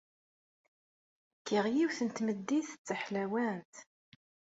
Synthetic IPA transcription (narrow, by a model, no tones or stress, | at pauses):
kːiʁjiwθənt̪məd̪ːiθt͡sːəħlæwænt̪